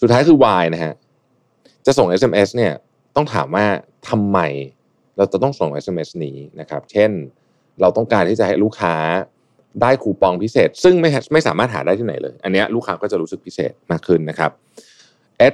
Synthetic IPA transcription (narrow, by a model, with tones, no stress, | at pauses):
su˨˩t̪ʰaː˦˥jkʰɯː˧waː˧jna˦˥ɦʰa˦˥ | t͡ɕa˨˩so˨˩ŋʔe˦˥se˧mʔe˦˥sni˥˩ɐ | t̪ɔ˥˩ŋt̪ʰaː˩˦mwaː˥˩t̪ʰa˧mːa˧j | ɾa˧wt͡ɕa˨˩t̪ɔ˥˩ŋso˨˩ŋʔe˦˥se˧mʔe˦˥sniː˦˥na˦˥kʰa˦˥p̚t͡ɕʰe˥˩n | ɾa˧wt̪ɔ˥˩ŋkaː˧nt̪ʰiː˥˩t͡ɕa˨˩ha˦˥˩jluː˥˩kʰaː˦˥ | daː˥˩jkʰuː˧pɔ˧ŋpʰi˦˥seː˨˩t̪̚sɯ˥˩ŋma˥˩ja˦˥ma˥˩jsaː˩˦maː˥˩t̪̚ɦaː˩˦da˥˩jt̪ʰiː˥na̰˩˦jlɤ̰ː˧jʔa˧nːi˦˥ɐʔɾuː˥˩kʰaː˦˥kɔː˥˩t͡ɕa˨˩ɾuː˦˥sɯ˨˩k̚pʰi˦˥sḛː˨˩t̪̚maː˥˩kʰːɯ˥˩nːa˦˥kʰa˦˥p̚ | ʔe˦˥t̚